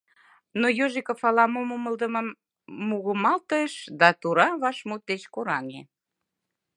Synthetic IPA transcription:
nojoʒekəfɑlɑmomoməld̪ə̆mə̆mː | uɣəmɑlt̪əʃd̪ɑt̪uɾɑβɑʃmut̪̚d̪et͡ɕkoɾɑnḛ

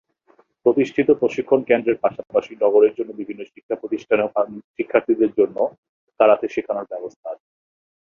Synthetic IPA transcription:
pɾot̪iʃʈʰit̪opɾoʃikʰːonkend̪ɾeɾpaʃapaʃinɔɡoɾeɾd͡ʑonːobibʱinːoʃikʰːapɾot̪iʃʈʰanʃikʰːaɾt̪ʰid̪eɾd͡ʑonːo | t̪aɾat̪ʰeʃekʰanaɾbɛbost̪ʰaɾʰ

